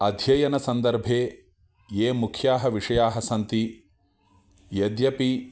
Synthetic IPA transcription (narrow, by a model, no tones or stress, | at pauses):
ɐd̪ʱjɐjɐnɐsɐnd̪ɐɾbʱeː | jeːmukʰjaːɦɐʋiʂɐjaːɦɐsɐnt̪i | jɐd̪jɐpi